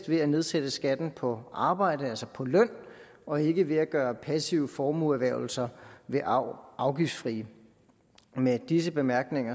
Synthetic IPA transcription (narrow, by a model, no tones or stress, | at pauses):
d̥ʋe̝æne̝ð̞ˠsed̥əsɡ̥æd̥n̩pʰɒ̽ɑ̈ːb̥ɑ̈ɪ̰d̥əælsɐpʰɒ̽lœn̰ | ɒ̽e̝ɡ̥əʋe̝æɡ̥ɶːɐpʰæsiʊəfɒːmuæʋæɐʊl̩sɐʋe̝ʔɑ̈ʊɡ̥ifd̥sfʁḭː | med̥is̬əb̥e̝mæɐɡ̥ne̝ŋɐ